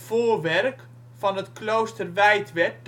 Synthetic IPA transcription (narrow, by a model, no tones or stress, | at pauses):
v̥oːrʋɛrk | fɑnətklowstərʋɛjtʋɛt̚d